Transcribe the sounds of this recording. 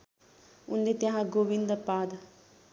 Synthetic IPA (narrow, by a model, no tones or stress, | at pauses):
ʊnd̪et̪ãɦãɡoːʋind̪əɾpaːd̪